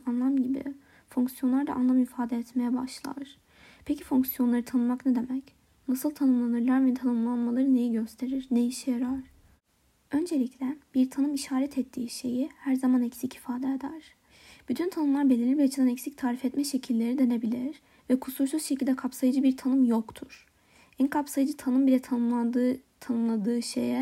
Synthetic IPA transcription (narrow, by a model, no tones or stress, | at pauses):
anlˠamɟibḭ | fuŋksijo̞nlˠaɾd̪a̰ʔanlˠamifaːd̪ɛɛt̪me̞jɛba̰ʃlˠa̰ɾ̥ | pʰecifuŋksijo̞nlˠaɾɯt̪ʰanɯnmaknɛd̪e̞mɛc | nasɯlˠt̪ʰanɯmlˠanɯɾlˠaɾvɛt̪ʰanɯmlˠanmalˠaɾɯne̞jiɟø̞st̪ʰe̞ɾiɾnejiʃijaɾaɾ̥ | ø̞nd͡ʒe̞lʲiclʲɛb̥iɾt̪ʰanɯmiʃaːɾɛt̪ʰɛt̪ʰːiːʃe̞jihæɾzamanɛcsicʰifaːd̪ɛd̪aɾ̥ | b̥yt̪ʰynt̪ʰanɯmlˠaɾbe̞lʲiɾlʲibiat͡ʃʰid̪anɛcsic̚t̪ʰaːɾifɛt̪mɛʃe̞cʰilʲːe̞ɾid̪e̞ne̞bilʲiɾ | vɛkʰusuɾsuzʃe̞cʰilʲd̪ɛkʰapsajɯd͡ʒɯbiɾt̪ʰanɯmjokt̪ʰuɾ̥ | ɛnkʰapsajɯd͡ʒɯt̪ʰanɯmbilʲɛt̪ʰaat̪ʰanɯmlˠad̪ɯːʃḛjɛ